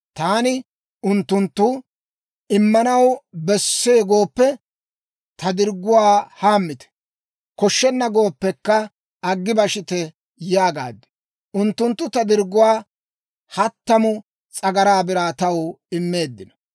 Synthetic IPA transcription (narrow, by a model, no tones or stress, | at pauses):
t̪aːnɪ | ʊnt̪ːʊnt̪ːʊ | ɪmːɐnɐwbɛsːe̞ːɡo̞ːpːɛ | t̪ɐd̪ɪɾɡʊwaːhaːmːɪt̪ɛ̥ | kɔʃːɛnːɐɡo̞ːpːɛkːɐ | ɐɡːɪbɐʃɪt̪ɛ | jaːɡa̰ːd̪ːɛ̥ | ʔʊnt̪ːʊnt̪ːʊt̪ɐd̪ɪɾɡːʊwaː | hɐt̪ːɐmʊ | t͡sʼɐɡɐɾaːbɪɾaːt̪ɐwɪmːe̞ːd̪ːɪnɐ̥